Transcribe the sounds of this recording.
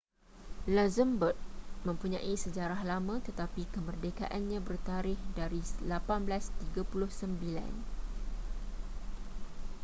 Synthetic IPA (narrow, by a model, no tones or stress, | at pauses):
lazəmbət̪̚mə̃mpuɲã̰ʔisəd͡ʒaɾahlamə̃t̪ət̪apikəmərdeka̰ʔanɲãbərt̪aɾɪhdaɾislapanblast̪iɡapulʊhsəmbila̰n